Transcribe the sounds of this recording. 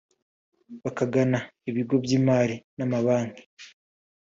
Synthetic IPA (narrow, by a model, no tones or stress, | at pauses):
βakaɡanaiβiɡo̞bjiːmaːɾinamaβaːŋɡe